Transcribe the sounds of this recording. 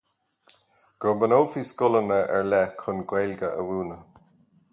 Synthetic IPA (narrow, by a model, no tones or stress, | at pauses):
ɡ̥ɔɹbənoːfiskʊlənəʔɛ̰ɹlɛkʰʊnɡwɛlɡəə̰wuːnə